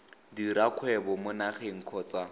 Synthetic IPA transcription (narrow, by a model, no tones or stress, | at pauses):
diɾakʰwɛbɔmʊnaχeŋ̩kʰɔːt͡sa